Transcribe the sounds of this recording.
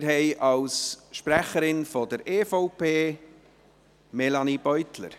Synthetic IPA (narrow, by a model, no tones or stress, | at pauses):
ɾɦɛɪʔɑlsʃpræχəɾɪnfɔdəɾʔeːfoʊpeː | mɛlɑnib̥œʏtlə̰ɾ